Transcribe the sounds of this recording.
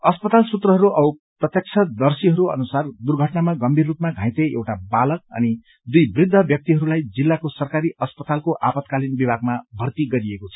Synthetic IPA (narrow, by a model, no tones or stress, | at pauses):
ʌspʌt̪alsut̪rʌɦʌɾuʔʌuprʌt̪jʌk̚t͡sʰʌd̪ʌrsiɦʌɾuʌ̰nusard̪urɡʱʌʈnamaɡʌmbʱirːupmaɡʱãjt̪eḛwʈabalʌk̚ʌ̰ni | d̪ujbrid̪ʱːʌbjʌk̚t̪iɦʌɾulajd͡zilːakosʌrkaɾiʔʌspʌt̪alkoʔa̰pʌt̪kalinbibʱaɡmabʱʌrt̪iɡʌɾiekot͡sʰʌ̥